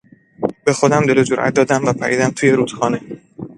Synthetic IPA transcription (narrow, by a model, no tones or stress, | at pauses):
be̞xo̞d̪æmd̪e̞lod͡ʒoɾʔæ̰t̪̚d̪ɒːd̪æmvæpʰæ̰ʔḭːd̪æmt̪ʰuːjeɾuːt̪xɒːne̞